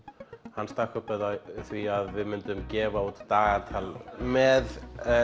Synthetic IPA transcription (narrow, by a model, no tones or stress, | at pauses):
hanːst̪akʏpɛðaθviaðvɪðmɪnt̪ʏmcɛːvaut̪t̪aːɣaɾt̪ʰaːlmɛð